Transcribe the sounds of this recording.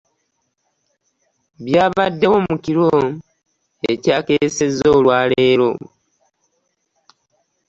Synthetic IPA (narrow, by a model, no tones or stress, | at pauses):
βjaːβadːe̞womuciɾo | ecaːkese̞zo̞ːlwaːle̞ːɾo̰